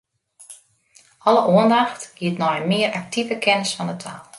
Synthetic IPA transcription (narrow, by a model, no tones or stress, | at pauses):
ʔɔləʔoəndaxtɡ̥iətnɔjəmɪəɾʔak̚tʰivəkʰɛnəsfɔnətʰaːlˠ